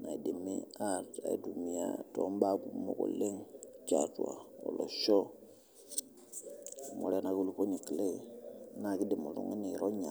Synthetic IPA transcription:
na˨i˨de˨me˦a˦ta̰˨ḭ˨du˨mi˨ja̰˦tɔ˨˦m˦ba˦ku˨mo̰˨ko̰˨le˦ŋt͡ʃa˨tu˨a̰˨ɔ̰˨lɔ˨ʃɔ˦˨ | mo˨ɾɛ˦na˨ku˦lu˦po˦ɲi˨ki˨le˦˨˦na˨ki˦de˨mo˨lṵ˨ŋi˦ni˨ɾo˦ɲa˨

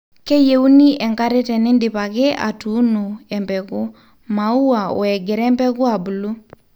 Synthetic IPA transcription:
ke˦je˨u˦ni˦ʔɛ˨ŋka˦ɾɛ˦tɛ˨nɪ˦ndɪ˨pa˨kɪ˦ʔa̰˨tu˨˦no˨ɛ˨mbɛ˨kʊ˦ | ma˨u˦wa˨ɔ̰˨ɛ˨ɡɛ˨ɾɛ˦mbɛ˦kʊ˦a˨bu˨lu˦

